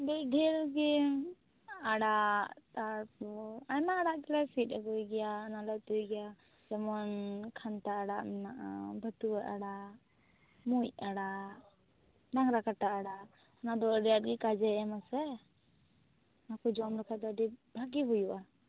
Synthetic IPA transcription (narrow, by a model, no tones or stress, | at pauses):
bɛjɖʱɛɾɡɛ | aɽat̪aɾɔajmaːɽaʔkɛlasitaɡɔjɡɛjaːnalat̪uɡɛja | d͡ʒɔmɔnkʰant̪aːɽaʔmɛnaʔa̰bʱət̪uaɾaɽaʔ | mujaɽaʔ | ɖaŋɾakaʈaʔaɽaʔ | ɔnad̪ɔɖɛjat̚ɡɛkad͡ʒɛɛmasɛ | akɔd͡ʒɔmɾɔkʰad̪ɔɖibʱaɡiɦujuʔa